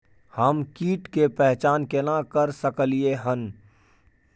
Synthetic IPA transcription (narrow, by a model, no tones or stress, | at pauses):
həmkiːʈkepɛɦt͡ʃaːnkenãkəɾsəkəlieɦən